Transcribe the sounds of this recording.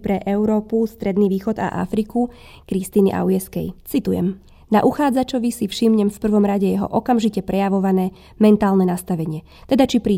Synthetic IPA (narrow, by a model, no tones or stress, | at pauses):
pɾɛʔɛʊɾɔːpust̪ɾɛd̪niːʋiːxɔd̪a̰ʔa̰fɾiku | kɾist̪iːnḭʔa̰ʊjɛskɛ̰jt͡sit̪ujɛ̰m | naʔuxaːd͡zat͡ʃɔʋisifʃimɲɛmfpr̩ʋɔmɾaɟɛjɛɦɔ̰ʔɔkamʒicɛpɾɛjaʋɔʋanɛː | mɛnt̪aːlnɛnast̪aʋɛɲɪɛ | t̪ɛd̪at͡ʃipɾiː